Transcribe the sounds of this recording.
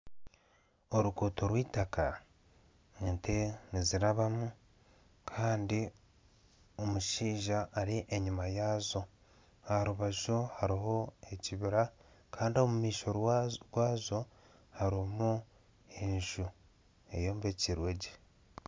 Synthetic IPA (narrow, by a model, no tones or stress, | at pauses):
o̞ɾukuːtoɾwiːtaka | enteniziɾaβamu | kʰaːndi | o̞muʃiːʒaʔːɾiʔeɲumajaːzo̞ | aɾuβaʒohaɾiɦo̞e̞ciβiɾa | kʰaːndio̞mumiːʃo̞ɾɡwaːzo̞ | haɾimu | eɲʒu | e̞̰jo̞ːmbe̞ːciɾweɟe